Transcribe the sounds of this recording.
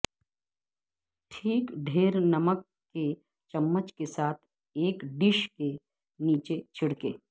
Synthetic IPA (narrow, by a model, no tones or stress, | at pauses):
ʈʰiːkɖʱeːɾnɐməkːe | t͡ʃɐmːət͡ʃkesaːt̪ʰ | eːkɖɪʃke | niːt͡ʃet͡ʃʰɪɽkḛː